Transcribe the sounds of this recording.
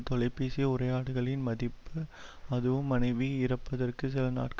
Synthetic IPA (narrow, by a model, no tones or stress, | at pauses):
t̪ɔlɐɪpːeːsijɐʊrɐjaːɽɯɣɐɭɪnmɐðɪpːɯɐðɯʋɯmːɐnɐɪʋiɪɾɐpːɐðɐrkɯs̬ɪlɐna̰ːʈk